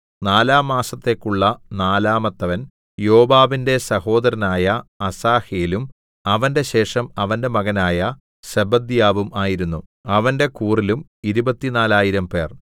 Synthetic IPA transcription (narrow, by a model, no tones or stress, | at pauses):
naːlaːmaːsɐt̪ːe̞ːkːuɭːɐnaːlaːmɐt̪ːɐʋɐn | jo̞ːbaːbinde̞sɐho̞ːd̪ɐɾɐnaːjɐɐsaːheːlum | ɐʋɐnde̞ɕe̞ːʂɐmɐʋɐnde̞mɐɣɐnaːjɐ | sebɐd̪jaːʋumaːjiɾunːuɐʋɐnde̞kuːrilumiɾubɐt̪ːinaːlaːjiɾɐmpe̞ːr